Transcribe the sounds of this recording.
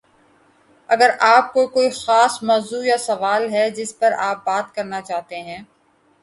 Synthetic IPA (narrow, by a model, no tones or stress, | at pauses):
ɐɡəɾaːp̚kokoːixaːsmɔːzujasɐʋaːlɦɛd͡ʒɪspɐɾaːp̚baːt̪kɐɾnat͡ʃaːɦt̪eɦɛ̃ː